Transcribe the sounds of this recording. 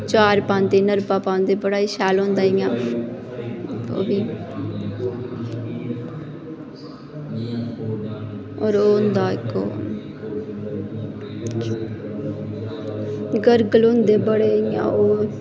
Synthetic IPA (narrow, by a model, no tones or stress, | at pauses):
t͡ʃaːɾpãːnd̪eːnəɾpaːpãːʊ̃nd̪eːbəɽaːiʃaːlõːnd̪aːɪjãː | ko̰ːbiː | oːɾoːʊnd̪aːɪkːo̰ː | ɡəɾɡəlõnd̪eːbəɽeːijã̰ːoː